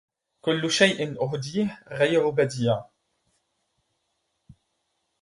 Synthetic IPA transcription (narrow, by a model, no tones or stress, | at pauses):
kʊlːʃajʔɪnʔʊɦd̪iːhɣajɾbad̪iːaː